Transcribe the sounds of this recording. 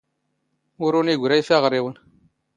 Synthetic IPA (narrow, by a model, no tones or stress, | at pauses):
wuɾuniɡuɾajfaɣəɾewun